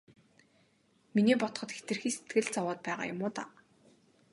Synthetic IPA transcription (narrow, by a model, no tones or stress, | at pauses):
miniːpɔt̪ɞχɞ̆t̪xe̥t̪ɘ̆rxiːset̪ɡɘ̆ɮt͡sawɔːt̪̚pæːʁa̰ːjʊ̰mʊːt̪a̰ː